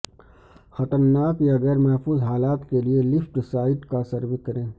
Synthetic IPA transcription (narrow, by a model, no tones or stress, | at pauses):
xɐt̪əɾnaːkjaɣɛːɾmɛɦfuːzɦaːlaːt̪kelielɪfʈsaːɪʈkasɐɾwɪkɐɾẽː